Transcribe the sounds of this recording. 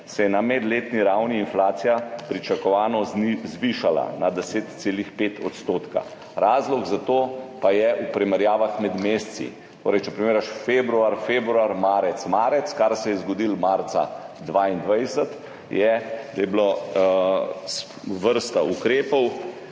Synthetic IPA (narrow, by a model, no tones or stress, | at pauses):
sɛjɛnamɛd̪leːt̪niɾawniːnflaːt̪sijapɾit͡ʃakɔʋaːnɔzʋiʃala̰nad̪ɛseːt̪seːlixpeːt̪ʰɔ̰t̪st̪oːt̪ka̰ | ɾaːzlɔɡzat̪oːpajɛʔupɾimɛɾjaːʋaxmɛd̪meːst̪sḭ | t̪oːɾɛjt͡ʃɛpɾimeːɾaʃfebɾuaɾfebɾuaɾmaːɾɛt̪smaːɾɛt̪skaɾsɛjɛzɡɔd̪ilmaɾt̪sa̰d̪ʋaːind̪ʋajsət̪ | jɛd̪ajɛblo | ʋəɾst̪aʔukɾeːpɔw